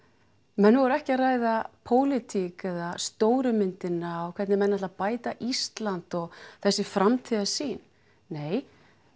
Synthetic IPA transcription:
mɛnːɪvɔɾɛhcɪaraːjðapʰoːwlɪt̪ʰikaðast̪oːwɾʏmɪnt̪ɪnaɔkʰvɛt̪nɪmɛnːatlapaːjt̪aʔist̪lant̪ɔɣθɛsːɪfɾamt̪ʰiːðasiːnː | eːj

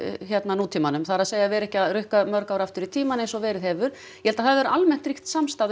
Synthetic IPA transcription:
çjɛt̪nanuːt̪ʰimanʏmθaɾaðsejavɛɾɛhcɪaðrʏhkamœɾkawɾaft̪ʏɾit̪ʰiːmanejnsɔvɛːɾɪðhɛːvʏɾ̥ | jjɛhɛlt̪aθaðvɛɾʏalmɛn̥t̪ɾiht̪samst̪aːð

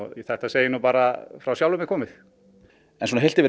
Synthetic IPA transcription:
iθɛht̪aseːjɪnuːpaːɾafɾawsjawlʏmɪkʰɔːmɪθ | ɛnsunaɦejl̥t̪ɪvɪ

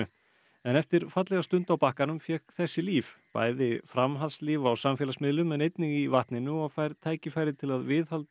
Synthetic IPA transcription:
ʏ | ɛnɛft̪ɪɾ̥fat̪lɛɣast̪ʏnt̪awpahkanʏmfjɛkθɛsːɪliːvpa̰ːjðɪfɾamɦalsliːvawsamfjɛlasmɪðlʏmɛnejt̪nɪɣivaht̪nɪnːʏɔɣfaːjɾt̪ʰaːjcɪfaːjɾɪt̪ʰɪlaðvɪðhalt̪

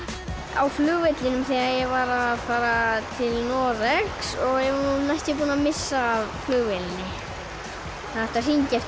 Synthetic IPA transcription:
a̰wflʏːɣvɪt̪lɪnʏmθɛːɣaɾjɛɣvaɾaðfaːɾat̪ʰɪlnɔːɾɛksɔɣjɛvɔɾnunajst̪ɪp̬uːnamɪsːaːvflʏːɣvɛlɪnːɪ | θaðɛht̪ar̥iɲcɛf

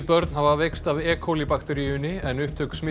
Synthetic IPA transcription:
pœɾt̪nhavavekst̪avɛːkʰowlipakt̪ɛɾijʏnɪɛnʏhp̚t̪ʰʏksmɪ

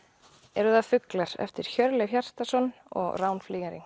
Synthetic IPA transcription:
ɛɾʏðafʏklaɾ̥ɛ̰ft̪ɪɾ̥çœɾlɪçjar̥t̪asɔnːɔ̰ɣraːwnfliːɣaɾiŋ

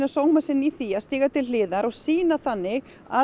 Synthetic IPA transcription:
nasoːwmasɪnːiθiːast̪iːɣat̪ʰɪllɪːðaɾɔɣsiːnaθanːɪɣ | a̰

